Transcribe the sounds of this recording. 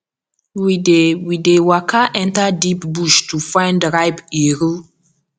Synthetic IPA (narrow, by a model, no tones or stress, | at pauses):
widewidewakʰaʔɛ̃ntadipbuʃtufãɪ̃ndɹajbeɾu